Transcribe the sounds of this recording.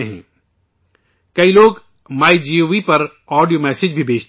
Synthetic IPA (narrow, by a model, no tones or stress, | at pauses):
ɦɛ̰̃ː | kɐiloːɡ | maːid͡ʒiːoːʋipɐɾ | ɔːɖijoːmɛːsɪd͡ʒbʱibʱeːt͡ʃt̪